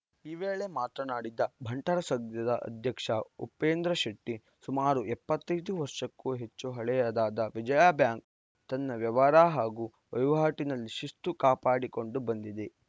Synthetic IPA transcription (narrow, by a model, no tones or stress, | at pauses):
iʋeːɭe̞maːt̪ɾɐnaːɽid̪ːɐbʱɐɳʈɐɾɐsɐɡd̪jɐd̪ɐʔɐ̰d̪ʱjɐkʂɐupːeːnd̪ɾɐʃɐʈːi | sumaːɾuɛpːɐt̪ːɐjd̪uʋɐɾʂɐkːuːɦet͡ʃːuɦɐɭɛjaːd̪aːd̪ɐʋid͡ʒɐjaːbjaːŋk̚ | t̪ɐnːɐʋjɐʋaːɾaːɦaːɡuː | ʋɐ̰jʋɦaːʈinɐlːiʃist̪ukaːpaːɽiko̞ɳɖubɐnd̪id̪e